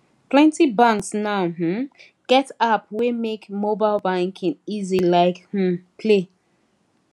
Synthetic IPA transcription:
plɛ̃ntibãŋksnaʊɦm̩ | ɡ̥ɛtap̚wemekmobaɪlbãŋkʰɪ̃ŋizilaɪkh̩pʰle

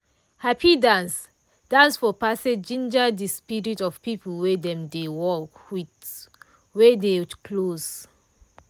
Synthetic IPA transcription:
hapʰidãns | d̥ãnsfɔpased͡ʒĩnd͡ʒədispiɹitɔv̥pipəlwɛdɛ̃mdewɔkwit | wɛdekʰloz

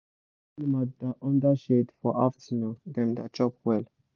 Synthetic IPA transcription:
madaʔɔ̃ndaʃedfɔʔaftinodɛ̃mdat͡ʃɔpwɛl

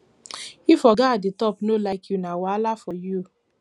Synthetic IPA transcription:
ifɔɡaaditɔpnolajkjunãwaalafɔju

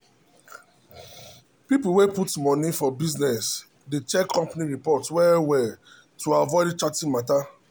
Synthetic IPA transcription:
pipuweputmɔnifɔbiznɛs | det͡ʃɛkʰːɔ̃mpaniɹipɔtswɛwɛ | tʰuavɔɪdt͡ʃatĩnmata

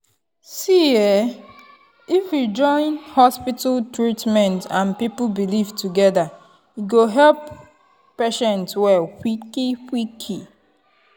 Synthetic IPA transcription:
siɛ | ifjid͡ʒɔ̃ɪ̃nhɔspitaltɹitmɛ̃ntãnpipulbilivtuɡɛða | iɡoɦɛlp | pɛʃɛ̃ntswɛwikikikʰi

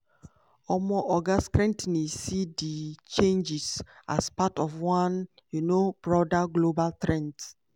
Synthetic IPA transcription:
ɔmɔʔɔɡaskɾɛ̃ntnesidit͡ʃẽnd͡ʒisa̰spatɔfwãn | junob̥ɹɔdaɡlobaltɾɛ̃nt

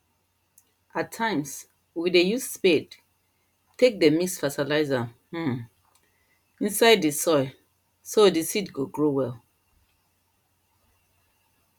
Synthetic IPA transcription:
atʰːãɪ̃ms | widejussped | tʰek̚demisfatilaɪzãh̩ | ĩnsaɪdːisɔɪ | sodisitɡoɡɹowɛl

